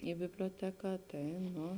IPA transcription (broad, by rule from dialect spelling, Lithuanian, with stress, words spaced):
ɪ bʲɪbʲlʲoːˈtʲæːkɑː ˈtɐɪ ˈnʊ